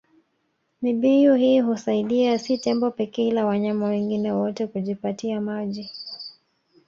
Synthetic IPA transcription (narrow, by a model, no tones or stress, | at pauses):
miɓijuhiːɦusaiɗiasitɛmbɔpɛkɛlawaɲamawɛŋɡinɛwɔtɛkuʄipatiamaʄi